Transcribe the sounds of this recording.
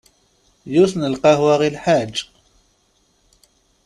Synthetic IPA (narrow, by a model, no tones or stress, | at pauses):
jusnəlqɑhwaʁilħad͡ʒː